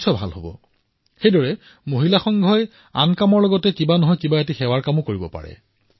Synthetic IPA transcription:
sʰɔbʱa̰lhobɔ̰ | xejdɔɹɛ | moɦilaxɔŋɡʱɔj | a̰nkamɔɹlɔɡɔtɛkibanɔɦɔjkibaetixɛwaɹkamʊkoɹibɔ̰pa̰ɹɛ̰

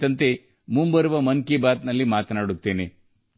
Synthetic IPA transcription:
ɐnt̪e | mumbɐɾuʋɐmɐnkibaːt̪nɐlːimaːt̪ɐnaːɽut̪ːeːne

